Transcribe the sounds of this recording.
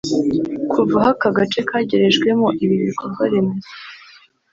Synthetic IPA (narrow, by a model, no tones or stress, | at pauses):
kʰuvaɦakaɡat͡ʃe̞kaːɟeɾe̞ʒɡwe̞moʔiβiβiɾkoɾɡwaɾe̞meze